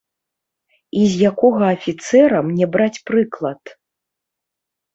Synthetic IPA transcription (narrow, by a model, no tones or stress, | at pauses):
izʲjakɔɣɐːfʲit̪sɛɾɐmnʲɛbɾat͡sʲpɾɨklˠɐt̪